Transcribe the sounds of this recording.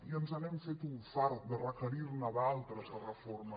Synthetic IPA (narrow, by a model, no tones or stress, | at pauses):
iənzɐβɛmfet̪uɱfaɾt̪̚d̪ərəkəɾiɾnaðalˠt̪ɾəzrəfɔɾmə